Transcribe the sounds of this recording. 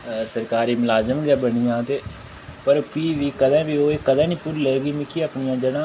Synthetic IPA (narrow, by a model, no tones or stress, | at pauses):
səɾkaːɾiːmʊlaːzəmɡɛːbənijãːt̪eː | pəɾkiːʋiːkəd̪ɛ̃ːbiːoːeːkəd̪ãːnĩːpʊɾleːɡiːmɪkiəpnɪjãːd͡ʒəɽãː